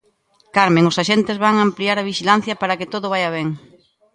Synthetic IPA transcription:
kaɾmẽŋʊsaʃent̪ɪzβaŋaːmpliaɾɐβiʃilan̟θjɐpaɾɐkɪt̪oðʊβajɐβɛŋ

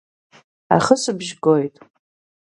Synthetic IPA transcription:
a̰χəsɨbʒɡojtʼ

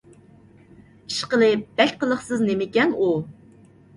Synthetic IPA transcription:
i̥ʃqəlˠɨb̥ɛk̚ʲqəlˠəχsɨznemɪkʲɛnu

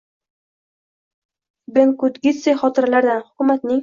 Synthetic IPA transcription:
beŋkʊt̪ɡʲɪseχɒt̪ɪɾalaɾd̪anhʊ̥kʲʊmat̪nɪŋ

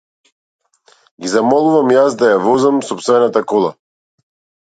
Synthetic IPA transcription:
ɡizamɔlˠuvamjasd̪ajavɔzamsɔpsvɛnat̪akɔlˠa̰

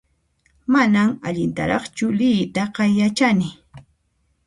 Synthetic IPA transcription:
manamaʎɪnt̪a̰ɾɑχt͡ʃʊlɪjt̪aqɑjat͡ʃanɪ

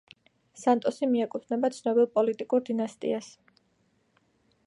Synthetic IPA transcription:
sant̪ʼɔsimiakʼut̪ʰnɛbat̪sʰnɔbilˠpʼɔlit̪ʼikʼuɾd̪inast̪ʼḭas

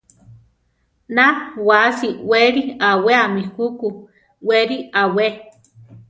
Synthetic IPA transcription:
nawasiweɾiaweamihuku | weɾiawe

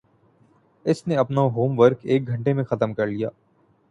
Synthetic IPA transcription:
ɪsneɐpnaɦoːmʋəɾkeːk̚ɡʱɐ̃ɳʈemẽxɐt̪əmkɐɾlijaː

